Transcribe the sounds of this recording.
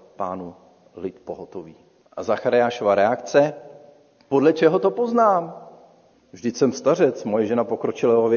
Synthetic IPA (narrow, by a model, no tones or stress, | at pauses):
pa̰ːnu | lɪt̪poɦot̪oviː | ʔa̰zaxaɾɪaːʃovaɾɛakt͡sɛ | podlɛt͡ʃɛɦot̪o̞po̞znaːm | vʒdɪcsɛmst̪ar̝ɛt͡smojɛʒɛnapo̞kɾot͡ʃɪlajɦov